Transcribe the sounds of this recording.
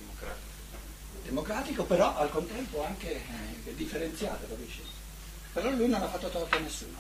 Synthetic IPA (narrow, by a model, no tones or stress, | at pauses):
a | d̪emokɾaːt̪ikopeɾɔʔalkont̪ɛmpoaŋk̟ed̪ifːeɾent̪sja̰ːt̪od̪ob̪iːt͡ʃi | peɾɔlujnonafːat̪ːot̪ɔt̪onesːṵːno